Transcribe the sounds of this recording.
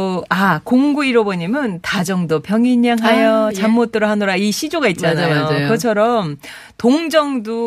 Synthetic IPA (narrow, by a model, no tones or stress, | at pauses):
akoŋɡuiɾʌboɲimɯntad͡ʑʌŋdʌpʰjʌŋiɲːaŋɦajʌt͡ɕamːot̚t͈ɯɾoɦanoɾaiɕʰid͡ʑoɡait̚t͡ɕ͈aoakʌt͡ɕʰʌɾʌm | toŋd͡ʑʌŋdu